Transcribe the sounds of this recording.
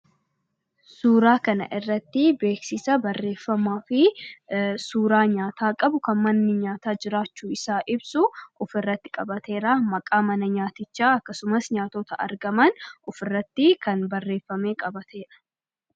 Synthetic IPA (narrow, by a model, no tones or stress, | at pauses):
suːɾaːkɐnɐ̰ʔɪrːɐt̪ːɪbe̞ːksɪsɐbɐrːe̞ːfːɐmaːfɪ | suːɾaːɲaːt̪aːkʼɐbʊkɐnmɐnːɪɲaːt̪aːd͡ʒɪɾaːt͡ʃːuːɪsaːʔɪbsʊʔʊfɪrːɐt̪ːɪ̥kʼɐbɐt̪e̞ːɾamɐkʼaːmɐnɐɲaːt̪ɪt͡ʃːaːɐkːɐsʊmɐsɲaːt̪ɔːt̪ɐʔɐ̰ɾɡɐmɐnʊfɪrːɐt̪ːɪkɐnbɐrːe̞ːfːɐme̞ːkʼɐbɐt̪ʰe̞ːᶑɐ̥